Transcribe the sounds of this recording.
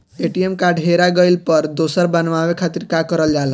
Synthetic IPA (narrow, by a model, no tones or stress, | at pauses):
eʈiemkaɖʱɦeɾaɡəɪlpəɾd̪osəɾbənʋaʋekʰat̪iɾkakəɾəld͡ʒale